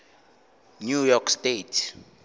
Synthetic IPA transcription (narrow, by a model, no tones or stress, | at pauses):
nujɔkʰstetʰ